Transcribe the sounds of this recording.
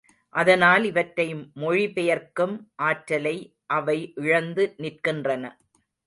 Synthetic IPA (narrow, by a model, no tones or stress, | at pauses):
ʔɐðɐnaːlɪʋɐʈɾɐjɯmːɔɻipɛjɐɾkɯmʔaːʈɾɐlɐɪ | ʔɐʋɐɪʔɪɻɐnd̪ɯnɪrkɪndrɐnɐ̰